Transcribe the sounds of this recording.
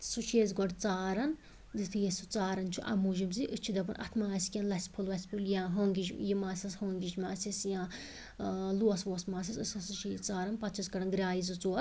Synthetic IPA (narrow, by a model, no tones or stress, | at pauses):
sut͡ʃʰeːzɡɔɖt͡saːɾɐn | zɨt̪ʰɨjesut͡saːɾɐnt͡ʃʰuʔɐ̰muʒimziʔɨt͡ʃʰid̪ɐpɐnʔɐ̰t̪ʰmaːsʲkʲɐnlɐsʲpʰulʋɐsʲpʰuljãːɦoːŋɡid͡ʒjimaːsʲɐshoːŋɡʲid͡ʒmaːsɐsjãː | luɐsʋoːsmaːs̬ʲɐsɨsʲɐsɨt͡ʃʰit͡saːɾɐnpɐt̪t͡ʃʰiskɐɽɐnɡɾʲaːizɨt͡suɐt̪